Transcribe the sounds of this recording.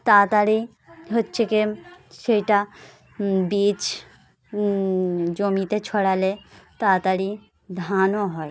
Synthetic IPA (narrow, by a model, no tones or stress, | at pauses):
t̪at̪aɾi | ɦotːʃʰekeʃejʈa | bit͡ʃ | d͡ʒomit̪et͡ɕʰɔɽalet̪at̪aɾi | d̪ʱanoɦɔe